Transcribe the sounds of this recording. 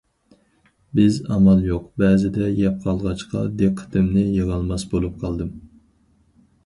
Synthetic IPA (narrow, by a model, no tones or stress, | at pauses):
bɪzɑmɑlˠjoqbɛːzɪd̪ɛjɛp̚qʰɑlˠʁɑt͡ʃqʰɑ̰d̪eqʰːə̥t̪ɪmnɪjəʁɑlˠmɑsbolˠup̚qʰɑlˠd̪ɨm